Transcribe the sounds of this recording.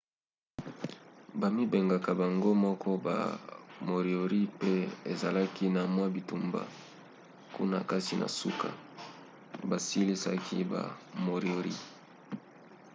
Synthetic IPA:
ba˨mi˦be˨ŋɡa˨ka˨ba˨ŋɡo˦mɔ˦kʰɔ˦ba̰˨mo˨ʁi˨o˨ʁi˦pe˦e˨za˨la˦ki˦na˨mwa˦bi˨tu˨mba̰˨ | kṵ˦na̰˨ka˦ti˨nʔa̰˨su˦kʰa̰˨ | ba˨si˦li˦sa̰˦kʰḭ˦ba̰˨mo˨ʁo˨ʁḭ˦

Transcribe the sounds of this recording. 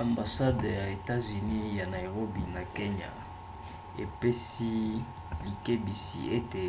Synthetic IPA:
a˨mba˨sa˦dja˨e˨ta˦zy˨ni˦ja˨na˨jʁo˦bi˨na˨ke˦ɲa̰˨ | ḛ˨pe˦si˦ | li˨ke˦bi˨sḭ˨e˦te˨

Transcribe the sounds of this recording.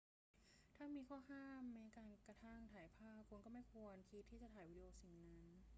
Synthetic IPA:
t̪ʰaː˥˩miː˧kʰɔː˥˩haː˥˩mːa˦˥kaː˧nkɾa˧t̪ʰa˥˩ŋt̪ʰaː˨˩˦jpʰaː˥˩pʰːu˧nkɔː˥˩ma˥˩jkʰu˧ənkʰi˧˦˥t̪ʰːiː˥˩t͡ɕa˨t̪ʰaː˩˦jwi˦˥d̪i˧ʔoː˧˩si˩˦ŋna˦˥n

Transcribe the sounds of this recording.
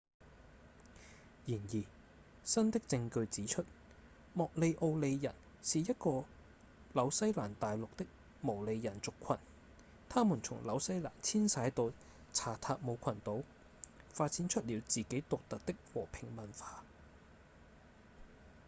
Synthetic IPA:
jiː˨˩njiː˨˩ | sɐ˥nt̪ɪ˥k̚t͡sɪ˧ŋkɵ˧ɥt͡siː˨˥t͡ʃʰɵ˥t̚ | mɔː˨k̚le˨˧jʔo˧wle˨˧jjɐ̰˨˩n | siː˨jɐ˥t̚kɔː˧ | lɐ˨˧˥wsɐ˥jlaː˨˩nt̪aː˨jlʊ˨k̚t̪ɪ˥k̚ | mo˨˩wle˨˧jjɐ˨˩nt͡sʊ˨kʷʰɐ˨˩n | t̪ʰaː˥muː˨˩nt͡sʰʊ˨˩ŋlɐ˨˥wsɐ˥jla̰ː˨˩nt͡sʰiː˥nsaː˨˥jt̪o˧w | t͡sʰaː˨˩t̪ʰaː˧k̚mo˨˧wkʷʰɐ˨˩nt̪o˨˥w | faː˧t̚t͡si˨˥nt͡ʃʰɵ˥t̚liː˨˧wt͡siː˨ke˨˥jt̪ʊ˨k̚t̪ɐ˨t̚t̪ɪ˥k̚wɔː˨˩pʰɪ˨˩ŋmɐ˨˩nfaː˧

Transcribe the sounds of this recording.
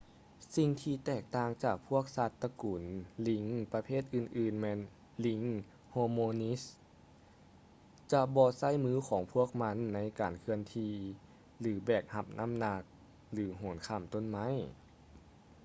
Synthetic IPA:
si˧ŋt̪ʰiː˧t̪ɛː˧˩k̚t̪aː˧ŋt͡ɕaː˨˩k̚pʰu˥˩ək̚sa˧˩t̪ːa˧kuː˨˩nli˧˦ŋpa˧pʰeː˥˩t̪̚ʔɯː˧˩nʔɯː˧˩nmɛː˧˥n | li˧˦ŋ | hoː˧moː˧ni˦˥s | t͡ɕa˧bɔː˧sa˥˩˨jmɯː˧˥˩kʰɔː˩˦ŋpʰu˥˩ək̚ma˧˥nːa˧˥jkaː˨˩nkʰɯ˧ənt̪ʰiː˧ | lɯː˩˦bɛː˨˩k̚ha˧p̚nʔa˧˥˨mna˧˥k̚ | lɯː˩˦ɦoː˩˦nkʰa˧˩mt̪o˧˥˨nma˧˥˨j

